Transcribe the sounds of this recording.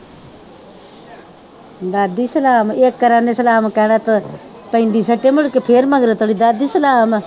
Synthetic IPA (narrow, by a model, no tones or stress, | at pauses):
d̪aːd̪iːsəlaːmeːkːəɾaːnesəlaːmkɛɽat̪ | pə̃ɪnd̪iːsəʈemʊɽkepʰeːɾməɡɾet̪ʰoːɽid̪aːd̪iːsəlaːm